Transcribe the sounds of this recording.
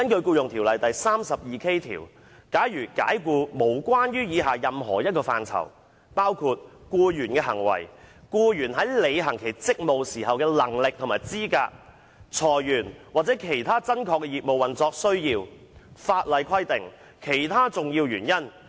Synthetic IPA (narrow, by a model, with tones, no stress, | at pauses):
kɐ˥nkɵ˧ɥkuː˧jʊ˨ŋt̪ʰiː˨˩wlɐ˨jt̪ɐ˨jsaː˥msɐ˨p̚jiː˨˧kʰe˥jt̪ʰḭː˨˩w | kaː˨˥jɥyː˨˩ka̰ː˨˥jkuː˧mo˨˩wkwaː˥njyː˥jiː˨˧ɦaː˨jɐ˨mɦɔ̰ː˨˩jɐ˥t̚kɔː˧fa̰ː˨˧nt͡sʰɐ̰˨˩w | paː˥wkʰu˧t̚kuː˧jyː˨˩nkɛː˧ɦɐ˨˩ŋwɐ̰˨˩jkuː˧jyː˨˩nɦɐ˨˥jle˨˧jɦɐ˨˩ŋkʰe˨˩jt͡sɪ˥k̚mo˨wsiː˨˩ɦɐ˨wkɛː˧lɐ˨˩ŋlɪ˨k̚t̪ʰʊ˨˩maː˨˩jt͡siː˥ka̰ː˧k̚ | t͡sʰɔː˨˩jjyː˨˩nwaː˨t͡sɛː˨˥kʰe˨˩jt̪ʰaː˥t͡sɐ˥nkʰɔː˧kːɛ˧jiː˨t̚mo˨wɐ˨˩nt͡sɔː˧k̚sɵ˥ɥjiː˧w | faː˧t̚lɐ˨˧jkʰɐ˥jt̪ɪ˨ŋ | kʰe˨˩jt̪ʰaː˥t͡sʊ˨ŋjiː˧wjyː˨˩njɐ˥n